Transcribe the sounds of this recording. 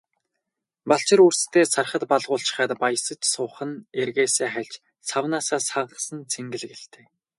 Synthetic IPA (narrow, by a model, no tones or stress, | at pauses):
paɬt͡ɕɪ̆ɾurst̪ʰeːsarχə̆t̪paɮʁʊːɬt͡ɕɪ̥̆χæːt̪pajsə̆t͡ɕsʊːχə̆nerɣeːseːχæɮʲt͡ɕ | t͡sʰawnaːsaːsaʁə̆sə̆nt͡sʰeŋɡɘ̆ɮɣĕɬt̪ʰe̥ː